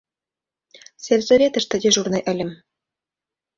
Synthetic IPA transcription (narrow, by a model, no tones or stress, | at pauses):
sʲelʲzɘ̆ɾʲet̪ɘ̆ʃt̪ɘ̆dʲĕʒurnɤ̆ʔɘ̆lʲɘ̆m